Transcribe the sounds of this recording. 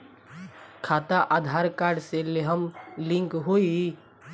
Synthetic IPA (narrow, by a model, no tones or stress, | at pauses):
kʰaːt̪aʔad̪ʱaːɾkaːɾɖseleɦəmlɪ̃ŋkɦoːi